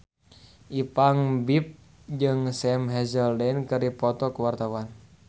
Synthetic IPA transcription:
ʔipaŋbip̚ | d͡ʒɨŋsɛmɦɛzəldɛnkɨɾipɔt̪ɔkuwart̪awan

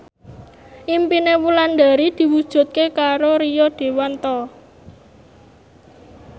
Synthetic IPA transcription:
ʔimpinewuland̪a̤ɾid̪̥i̤wud̥ʒ̥ṳt̪̚kekaɾoɾijɔd̪̥e̤want̪ɔ

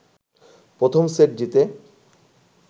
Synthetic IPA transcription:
pɾot̪ʰomseʈ̚d͡ʑit̪e

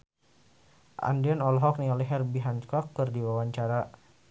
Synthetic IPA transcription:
ʔa̰ndiɔnɔlɦɔk̚niɔlɛɦɛrbiɦankɔkːərdiwawaɲt͡ʃaɾa

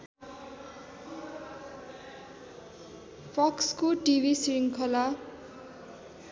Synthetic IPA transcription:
pʰʌkskoʈibʱisiɾiŋkʰʌla

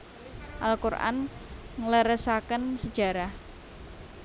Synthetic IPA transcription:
ʔalkurʔa̰n | ŋləɾəsakənsəd̥ʒ̥a̤ɾah

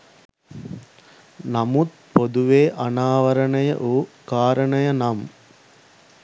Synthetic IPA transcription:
nɐmut̪̚ | poðuʋeːʔɐnaːʋɐɾɐɳɐjɐ̰ʔoːkaːɾɐɳɐjɐnaːm

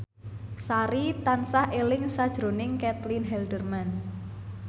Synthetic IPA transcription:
saɾit̪ansahʔelɪŋsad̥ʒ̥ɾo̤nɪŋkɛt̪linɦɛldərman

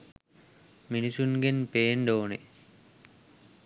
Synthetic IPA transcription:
minisunɡenpeːnɖoːne

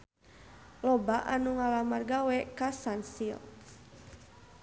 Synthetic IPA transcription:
lɔbaʔanuŋalamarɡawɛkasansil

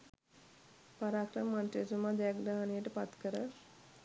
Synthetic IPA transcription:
paɾaːkɾəmmanʈesumaːd̪akd̪aːanejəʈəpat̪kəɾə

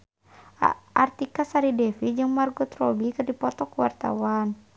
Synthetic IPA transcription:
ʔa̰rt̪ikasaɾidɛfid͡ʒɨŋmarɡɔt̪ɾɔbikɨrdipɔt̪ɔkuwa̰rt̪a̰wan

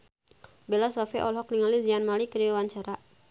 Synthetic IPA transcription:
belasɔfiʔɔ̰lɦɔkniŋalizianmalikəɾiawaɲt͡ʃaɾa

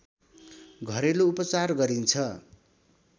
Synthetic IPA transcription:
ɡʱʌɾeloupʌt͡sarɡʌɾint͡sʰʌ

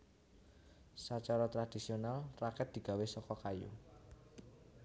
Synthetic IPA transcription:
sat͡ʃaɾɔt̪ɾad̪̥isionalrakɛt̪̚d̪̥i̤ɡ̥a̤wesɔkɔkajṵ

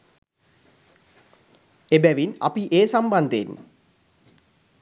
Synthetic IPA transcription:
ebæʋina̰piʔeːsamband̪enː

